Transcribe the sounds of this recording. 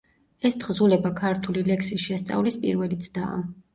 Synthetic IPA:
ɛst̪ʰχzulɛbakʰaɾt̪ʰulilɛksisʃɛst̪sʼa̰vlispʼḭɾvɛlit̪sʰd̪a̰ːm

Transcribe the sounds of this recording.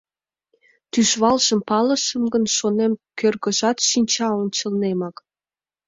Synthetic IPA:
t̪yʃβɑlʃəmpɑlə̆ʃəmɡənʃonemkørɣə̆ʒɑt̪ʃinʲt͡ɕɑonʲt͡ɕəlnemɑk

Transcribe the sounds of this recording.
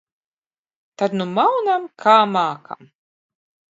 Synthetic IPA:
t̪ad̪numawnamkʰaːmaːkʰa̰m

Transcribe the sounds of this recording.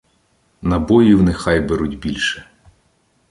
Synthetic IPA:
nɐbɔjiwnexɑjbeɾutʲbʲilʲʃɛ̥

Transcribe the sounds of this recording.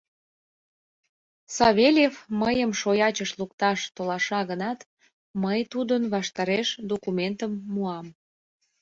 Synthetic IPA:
sɑβelʲefməjəmʃojɑt͡ɕəʃlukt̪ɑʃt̪olɑʃɑɣənɑt̪ | məjt̪ud̪ənβɑʃt̪ɑɾeʃd̪okument̪əmːuɑm

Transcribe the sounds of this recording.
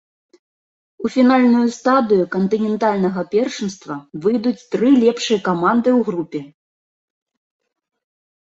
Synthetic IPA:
ufʲinalʲnujust̪ad̪ɨjukɐnt̪ɨnʲɛnt̪alʲnɐɣɐpʲɛrʂɨnst̪vɐvɨjd̪ut͡sʲt̪ɾɨlʲɛpʂɨjɐkamand̪ɨwɣɾupʲɛ

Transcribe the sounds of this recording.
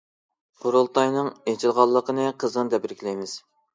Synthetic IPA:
qʰoɾulˠt̪ɑjnɨŋet͡ʃʰilˠʁɑlˠːəqʰənɨqʰəzənd̪ɛbiɾkʲlɛjmɪz̥

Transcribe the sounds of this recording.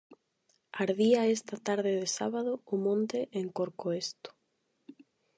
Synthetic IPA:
aɾðiaest̪at̪aɾðɪðɪsaβaðʊːmõnt̪ɪʔeŋkoɾkoest̪ʊ̥

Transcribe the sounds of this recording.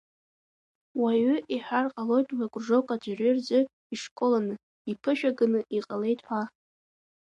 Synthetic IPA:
waɥʏʔiħʷᶣarqʼalo̞jtʼwakʷʼʐo̞kʷʼad͡ʒʷarird͡zɨ | iʂkʼolanɨ | ipʰɨʃᶣaɡɨnɨʔiqʼale̞jtʼħʷa

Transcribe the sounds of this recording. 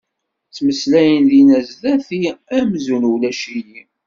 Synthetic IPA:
t͡sːməslæjənðinæzðæθiæmzunwlæʃiji

